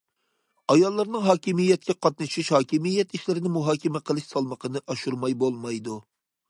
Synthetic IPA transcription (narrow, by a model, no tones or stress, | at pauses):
ɑjɑlˠːɨɾnɨŋɦɑːkʲimijːɛt̪̚kʲɛqʰɑt̪̚nɨʃiʃhɑːkʲʰimijːɛt̪iʃlɪɾɪnɪmuɦɑːkʲɛmɛqʰəlˠɨʃsɑlˠməqʰənɨʔɑʃuɾmɑjbolˠmɑjd̪u